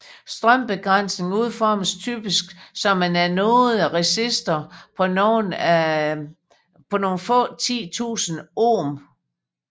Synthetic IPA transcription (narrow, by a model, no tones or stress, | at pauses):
sd̥ʁɶm̰b̥e̝ɡ̥ʁan̰sne̝ŋuð̞̰ˠfɒməst͡sʰy̰ːb̥isɡ̥sɒ̽mːænæɐnɔːð̩ˠæʁesisd̥ɐpʰɒ̽noːnæ | pʰɒ̽no̝ːnfɔ̰̽ːt͡sʰḭːt͡sʰṵːsn̩oːm